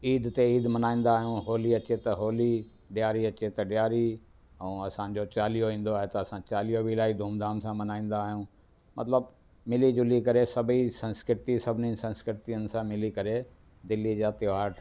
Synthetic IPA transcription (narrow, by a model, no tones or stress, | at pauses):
iːd̪t̪eiːd̪mɐnaːĩːn̆d̪aːɦijũɦoːliɐt͡ɕet̪ɐɦoːli | ɖjaːɾiɐt͡ɕet̪ɐɖɪjaːɾi | ɛ̃ːɐsãd͡ʑot͡ɕaːlijoʋĩːn̆d̪oaːɦet̪ɐɐsãt͡ɕaːlijobʱilaːid̪ʱũːmd̪ʱaːmsãmɐnaːĩːn̆d̪aːɦijũː | mɐ̰t̪ləb | mɪlid͡ʑʊlikɐɾesɐbʱisɐ̃nskɾɪt̪isɐbʱɪnĩsɐ̃nskɾɪt̪ijənɪ̆sãmɪlikɐɾe | d̪ɪlːid͡ʑaːt̪ɪoʋaːɾʈʰ